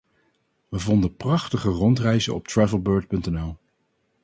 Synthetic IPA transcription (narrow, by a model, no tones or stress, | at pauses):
ʋəvɔndəprɑχtəχərɔntrɛjzə̰ɔ̰p̚tɹɛvəlˠbøːɹt̚pɵntɛnɛlˠ